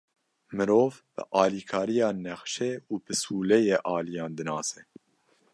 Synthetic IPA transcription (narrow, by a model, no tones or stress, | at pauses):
mɨɾoːvb̥ɨ̰ʔɑːliːkʰɑːɾijɑːnɛxʃɛuːbɨsuːlɛjeːʔɑːlijɑːnd̪ɨnɑːsɛ